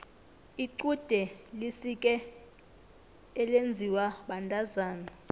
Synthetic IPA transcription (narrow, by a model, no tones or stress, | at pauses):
iǀud̥ʱɛlisikʼɛ | lend͡zʱiwaɓandʱʼazaːna